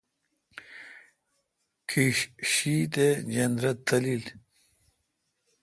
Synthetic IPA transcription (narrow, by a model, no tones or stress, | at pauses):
kʰiɕɕit̪ed͡ʑɐnd̪ɾɐt̪ːɐlil